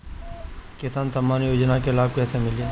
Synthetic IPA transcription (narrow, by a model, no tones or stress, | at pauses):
kɪsaːnt̪ɐmaːnjoːd͡ʒnakelaːb̚kɛːsemɪliẽ